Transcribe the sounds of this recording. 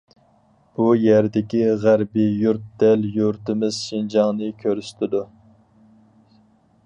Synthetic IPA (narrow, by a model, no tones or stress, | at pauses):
b̥ujæɾd̪ɪkʲiʁæɾbijuɾt̪̚d̪ɛljuɾt̪ɪmɪz̥ʃind͡ʒɑŋnɨkʲʰøɾst̪ʰɪd̪u